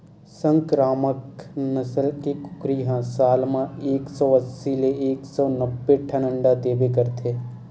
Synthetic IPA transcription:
sə̃ŋkɾaːməknəsəlkikʊ̥kɾiɦãsaːlmãeːksɔːəsːileeːksɔːnəbːeʈʰɐnə̃ɳɖad̪eːbekəɾt̪ʰeː

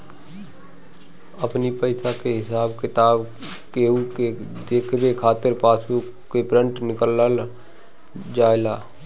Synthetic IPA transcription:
əpnipəɪsakeɦɪsaːbkɪt̪aːb | keuke | d̪eːkʰbekʰaːt̪ɪɾpaːsʰu | kepɾə̃ɳʈnɪkəlːəl | d͡ʒaːelaː

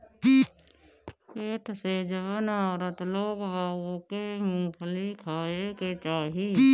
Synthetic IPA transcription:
eːʈ̪ʰsed͡ʒəʋənaːɾət̪loːɡʋaːwokemũːpʰlikʰaːeket͡ʃaːɦi

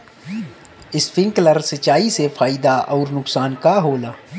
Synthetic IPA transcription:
ɪspɪ̃ŋkləɾsɐt͡ʃaːisefʰaːɪd̪aʔɔːɾnʊksaːnkaɦoːlaː

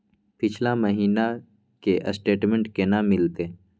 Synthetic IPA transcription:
pɪt͡ʃʰlaməɦiːna | keʔəsʈeːʈmẽɳʈkenaːmːɪlt̪eː

